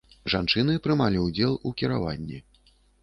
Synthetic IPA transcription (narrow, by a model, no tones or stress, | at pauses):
ʐant͡ʂɨn̪ɨpɾɨmalʲiud͡zʲɛlˠukʲiɾa̰vanʲːḭ